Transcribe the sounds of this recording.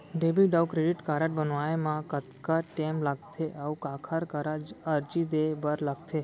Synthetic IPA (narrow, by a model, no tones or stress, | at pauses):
ɖebiɖawkɾeɖiʈkaɾəʈbənʋaemãkət̪kaʈemlaɡ̚t̪ʰeʔaukãkʰaɾkəɾad͡ʒəɾd͡ʒid̪ebəɾlaɡt̪ʰe